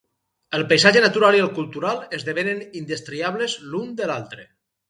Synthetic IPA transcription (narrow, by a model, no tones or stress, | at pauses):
əlˠpəjzaʒenat̪uɾaliəlˠkulˠt̪uɾalˠezðeβenenind̪əst̪ɾiaβlezlund̪əlalˠt̪ɾe